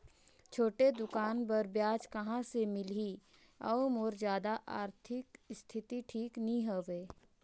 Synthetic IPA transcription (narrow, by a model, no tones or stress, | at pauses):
t͡ʃʰoːʈed̪ʊkaːnpɐɾbjaːd͡ʒkɐɦãsemɪli | ɐ̰omoːɾzjaːd̪aʔaːɾt̪ʰɪkst̪ʰɪt̪iʈʰiːknĩɦoʋeː